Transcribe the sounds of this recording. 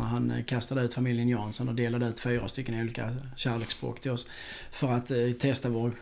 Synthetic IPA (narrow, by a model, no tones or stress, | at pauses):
a̰ɾɦankʰast̪ad̪əʉ̟ːt̪famɪljənjɑːnsɔnɔd̪eːlad̪əʉ̟ːt̪fyːɾa̰st̪ʏkːənɪuːlɪːkʰa̰ɕæːɾleːksb̥ɾo̰ːkt̪ʰɪlɔs | fœɾat̪t̪ʰːɛst̪avoːɾ